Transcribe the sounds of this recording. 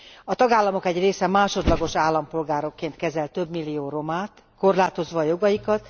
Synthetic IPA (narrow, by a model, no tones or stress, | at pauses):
ɒt̪ɒɡaːlːɒmo̞kɛɟreːsɛmaːʃo̞d̪lɒɡoʃaːlːɒmpo̞lɡaːɾo̞kːeːnt̪kɛzɛlt̪ːø̞bmilːijoːro̞maːt̪ | ko̞rlaːt̪o̞zʋɒːjo̞ɡɒjikɒt̪